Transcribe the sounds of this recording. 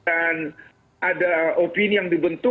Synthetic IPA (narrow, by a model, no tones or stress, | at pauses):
an | ʔadaʔopinijaŋdibənt̪ʊ